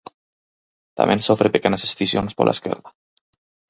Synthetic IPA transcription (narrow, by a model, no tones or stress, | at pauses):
t̪a̰mʔẽnsofɾepekenasesθisjonspolʔa̰skḛɾða